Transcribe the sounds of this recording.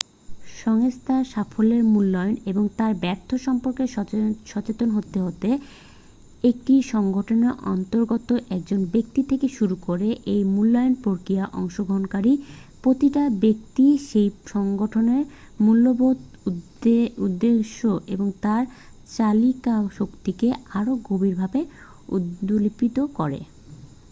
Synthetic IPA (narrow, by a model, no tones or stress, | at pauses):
ʃɔŋst̪ʰaʃafʰoleɾmulːɔjoneboŋt̪aɾbɛɾt̪ʰoʃɔmpoɾkeʃɔt͡ɕet̪onɦot̪ːeɦot̪e | ek̚ʈiʃɔŋɡoʈʰoneʔɔnt̪oɾɡot̪oʔɛk̚d͡ʑonbek̚t̪it̪ʰekeʃuɾukoɾeʔejmulːɔjonpoɾkɾiaʔɔŋʃoɡʱoɦonkaɾi | pɾot̪iʈabek̚t̪iʃejʃɔŋɡoʈʰoneɾ | mulːobod̪ | ud̪ːeʃoʔeboŋt̪aɾ | t͡ɕalikaʃokt̪ikeaɾoɡobiɾbʱabe | ṵd̪olipit̪okɔɾḛ